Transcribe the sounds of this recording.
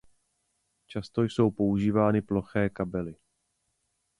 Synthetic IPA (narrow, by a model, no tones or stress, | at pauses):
t͡ʃast̪o̞jso̞wpo̞uʒiːvaːnɪplo̞xɛːkabɛlɪ